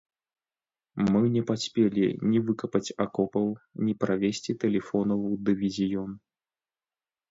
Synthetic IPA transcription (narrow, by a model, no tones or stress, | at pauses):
mɨnʲɛpasʲpʲelʲḭnʲivɨkɐpɐt͡sʲakɔpɐwnʲipɾavʲesʲt͡sʲit̪ɛlʲɛfɔnɐvud̪ɨvʲizʲijɔn